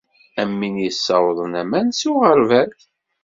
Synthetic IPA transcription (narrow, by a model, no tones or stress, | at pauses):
æmːinjəsːɑwðˤənæmænsuʁəɾvælθ